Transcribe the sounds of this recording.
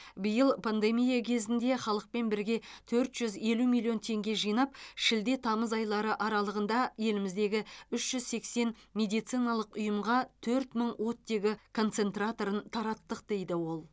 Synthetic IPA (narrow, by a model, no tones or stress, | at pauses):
bɪjəlˠpʰand̪e̞mijakʲʰe̞zɪnd̪e̞χɑlˠəq̚pe̞nbɪɾɡʲe̞t̪ʰɵɾt̪ʒ̥ʏze̞lumʲijlʲˠijo̞nt̪ʰe̞ŋɡʲe̞ʒijnɑpʃɪld̪e̞t̪ʰɑməzɑjlˠɑɾəʔɑɾɑlˠəʁənd̪ɑje̞lɪmɪzd̪e̞ɡʲɪʏʃʒ̥ʏzse̞kse̞nmʲe̞d̪ijt̪sɨjnɑlˠəqʊjəmʁɑt̪ʰɵɾt̪məɴwʔo̞t̪ːe̞ɡʲɪkʰo̞nt̪se̞nt̪rat̪o̞ɾənt̪ʰɑɾɑt̪ːəq̚d̪̥e̞jd̪ɪwo̞lˠ